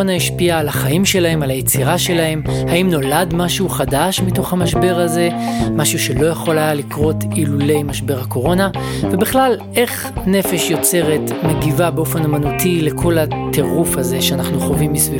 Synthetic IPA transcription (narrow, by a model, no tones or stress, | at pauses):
onaiʃpiaːlaχaimʃe̞lahe̞malajet͡siʁaʃe̞lahe̞mhaimno̞ladmaʃuχadaʃmito̞χhamaʃbe̞ʁaze̞maʃuʃe̞lo̞jaχo̞lajalikʁo̞tilule̞jmaʃbe̞ʁhako̞ʁo̞na | vebiχlal | e̞χ | ne̞fe̞ʃjo̞t͡se̞ʁe̞tmeɡivabeo̞fenamanutʰile̞kʰo̞latʰeʁufaze̞ʃeanaχnuχovimːisvi